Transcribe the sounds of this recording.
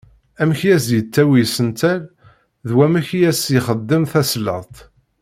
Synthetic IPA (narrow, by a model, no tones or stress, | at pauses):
æmçijæzjət͡sːæwisənt̪æl | ðwæmæçjæsjiχəd̪ːəmθæslə̰ʁˤt̪ˤ